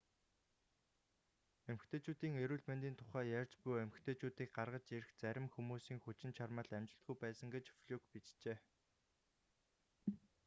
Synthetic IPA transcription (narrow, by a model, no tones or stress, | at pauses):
emxt̪ʰeːt͡ɕuːt̪iːŋeɾuːɮment̪iːnt̪ʰʊχæːjærʲt͡ɕpʊjæmxt̪ʰeːt͡ɕuːt̪iːk̚ɢarʁə̆t͡ɕeɾɘxt͡sæɾʲɪ̆mxumuːsiːŋxut͡ɕɪ̆nt͡ɕʰarmə̆ɮæmt͡ɕɪ̆ɬt̪ɡujpæːsə̆ŋɡet͡ɕfɮuːkpit͡ɕt͡ɕeː